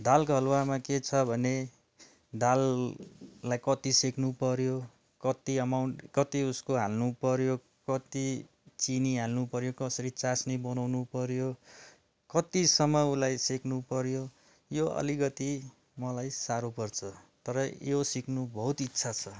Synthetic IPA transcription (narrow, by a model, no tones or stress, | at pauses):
d̪alkɦʌlwamaket͡sʰʌbʱʌne | d̪alː | ajkʌt̪iseknupʌɾjo | kʌt̪iʌmawɳkʌt̪iuskoɦalnupʌɾjo | kʌt̪i | t͡siniɦalnupʌɾjokʌsʌɾit͡sasnʌbʌnawnupʌɾjo | kʌt̪isʌmːʌulajseknupʌɾjo | joʌ̰liɡʌt̪i | mʌlajsaɾupʌrt͡sʰʌt̪ʌɾʌjosiknubʱʌɦut̪itːsʰat͡sʰʌ